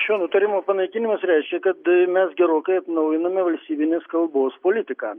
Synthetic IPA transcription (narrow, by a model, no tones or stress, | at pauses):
ʃʲoːnʊt̪ɐɾʲɪmoːpɐnɐɪkʲɪnʲɪmɐsɾʲæɪʃʲkʲɛkɐt̪mʲɛsɡʲɛɾoːkɐɪɐt̪nɐʊjɪnɐmʲɛʋɐlʲst̪ʲiːbʲɪnʲeːskɐlˠboːspoːlʲɪt̪ʲɪkɑː